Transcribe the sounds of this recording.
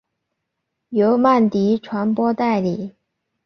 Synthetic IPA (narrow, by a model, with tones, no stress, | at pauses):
jo˧˥ʊma˥˩nt̪i˧˥ʈ͡ʂʰwa˧˥npwɔ˥t̪a˥˩ɪli˨˩˦